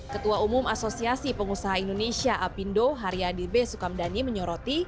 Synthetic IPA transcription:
kət̪uaumumasosiasipəŋusaɦaindonesiaʔapindoɦaɾiadirbesukamdaniməɲɔɾot̪i

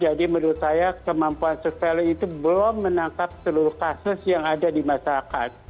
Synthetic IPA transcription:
d͡ʒadiməɾusajakəmampuansosialiit̪ubəlɔmːənaŋkap̚səluɾʊhkasʊsjaŋadadimasaɾaka̰t̪̚

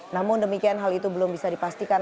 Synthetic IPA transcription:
namʊndəmikianɦalit̪ubəlʊmbisadipast̪ikan

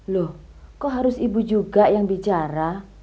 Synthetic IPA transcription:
lohkɔɦaɾʊsibud͡ʒuɡaʔjaŋbit͡ʃaɾa

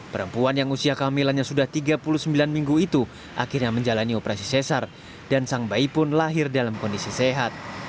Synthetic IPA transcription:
pəɾəmpuanjaŋusiakamilanɲasudaht̪iɡapuluhsəmbilanmiŋɡuit̪u | ʔa̰kirɲaməɲd͡ʒalaniopəɾasisesar | dansaŋbaipʊnlaɦɪrdalamkɔndisiseɦat̪̚

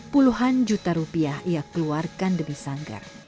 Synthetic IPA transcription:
puluɦand͡ʒut̪aɾupiahijakəluarkandəmisaŋɡa̰r

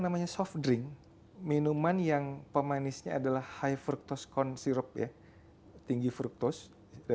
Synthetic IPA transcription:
namaɲasɔfdɾɪŋ | minumanjaŋpəmanisɲaadalahhajfɾuk̚t̪ɔskɔnsiɾəp̚ja̰ | t̪iŋɡifɾuk̚t̪ʊs | d

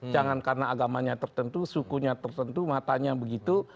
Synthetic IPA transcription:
d͡ʒaŋankarnaːɡamaɲat̪ərt̪ənt̪usukuɲat̪ərt̪ənt̪umat̪aɲabəɡit̪u

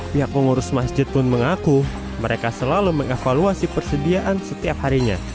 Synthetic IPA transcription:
piɦak̚məŋuɾʊsmasd͡ʒɪt̪̚pʊnməŋaku | məɾekasəlaluməŋefaluasipərsədiaʔansət̪iap̚haɾiɲa̰

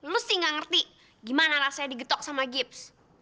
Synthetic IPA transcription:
lʊst̪iŋɡaŋərt̪i | ɡimanaɾasajadiɡət̪ɔk̚samaɡɪps

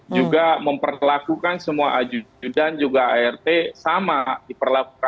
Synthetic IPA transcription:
d͡ʒuɡaməmpərlakukansəmuaʔad͡ʒud͡ʒudand͡ʒuɡaaɛrt̪esamadipərlakukan

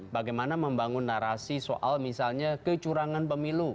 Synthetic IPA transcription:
baɡajmanaməmbaŋʊnːaɾasiso̰ʔa̰lmisalɲakət͡ʃuɾaŋanpəmilu

